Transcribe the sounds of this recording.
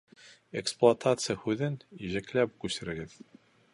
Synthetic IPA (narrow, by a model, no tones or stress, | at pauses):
eksplˠoɐt̪ʰat̪sɨjəhʉðɘniʑæklæp̚kʉsɘ̆ɾɘ̆ɡɘð